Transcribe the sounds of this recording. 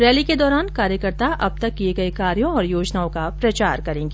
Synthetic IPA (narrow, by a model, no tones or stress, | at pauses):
ɾɛːliked̪ɔːɾaːnkaːɾjəkəɾt̪aʔɐb̚t̪ɐkːieɡɐekaːɾjõɔːɾjoːd͡ʒnaːõkapɾɐt͡ʃaːɾkɐɾẽːŋɡeː